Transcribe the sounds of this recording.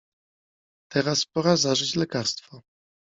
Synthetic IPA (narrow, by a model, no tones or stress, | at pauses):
t̪ɛɾaspɔɾazaʐɘt͡ɕlɛkaɾst̪fɔ